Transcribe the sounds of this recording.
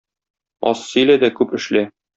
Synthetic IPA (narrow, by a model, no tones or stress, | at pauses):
ɒ̰ssɵ̆jlæd̪ækʉpɘ̆ʃlæ